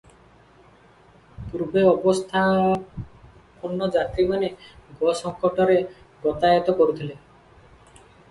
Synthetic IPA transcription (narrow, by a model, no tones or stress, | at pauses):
puɾbeɔbɔst̪ʰa | pɔnːɔd͡ʒat̪ɾimaneɡɔsɔŋkɔʈɔɾe | ɡɔt̪ajɔt̪ɔkoɾut̪ʰile